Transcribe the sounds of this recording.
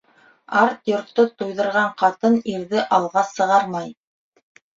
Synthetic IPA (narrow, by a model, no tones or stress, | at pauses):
ɑɾt̪jŏɾt̪ːot̪ujðɤ̆ɾʁɑɴqɑt̪ɤniɾðɘʔɑlˠʁɑsɤ̆ʁɑɾmɑj